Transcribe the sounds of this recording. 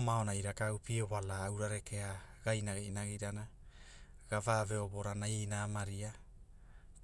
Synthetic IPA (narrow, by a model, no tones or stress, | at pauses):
maonaiɾakawpioβalaːwɾaɾe̞ke̞aɡ̥ajnaɡeinaɡiɾana | ɡavave̞o̞bo̞ɾanainaːmaɾia | k